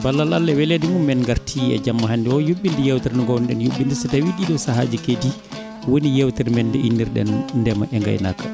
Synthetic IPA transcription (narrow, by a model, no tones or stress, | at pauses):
balːalalːɛwɛledimumːɛnŋɡaɾtʰiɛ̰d͡ʒamːaɦanːdiɔjuɓːindijɛwtɛɾnɡɔwnɗɛnjuɓːindisɛtawiɗiɗɔsaɦad͡ʒikedi | wonijɛwtɛɾmɛndɛʔinːiɾɗɛ̰nːdɛma̰ʔɛŋɡa̰jna̰kːa̰